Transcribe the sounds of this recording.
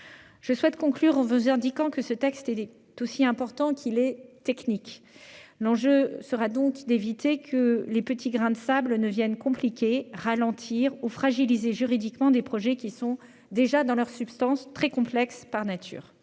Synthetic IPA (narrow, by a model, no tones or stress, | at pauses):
ʒ̥əswɛt̪kɔ̃klyʁɑ̃vuzɛ̃d̪ikɑ̃kəsət̪ɛkst̪ɛ | t̪osiɛ̃pɔʁt̪ɑ̃kʰilɛt̪ɛknik | lɑ̃ʒøsəʁad̪ɔ̃kd̪evit̪ekʰəlepət̪ʰiɡʁɛ̃d̪əsablənəvjɛnkɔ̃plikʲeʁalɑ̃t̪ʰiʁufχaʒilizeʒyʁid̪ikmɑ̃d̪epχɔʒɛkʲisɔ̃ | d̪eʒad̪ɑ̃lœʁsypst̪ɑ̃st̪χɛkɔ̃plɛkspaʁnat̪ʰy̰ːʁ